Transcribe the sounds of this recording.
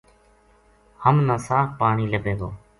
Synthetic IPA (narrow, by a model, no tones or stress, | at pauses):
həmnãːsaːkpaːɳiːləbʱẽːd̪oː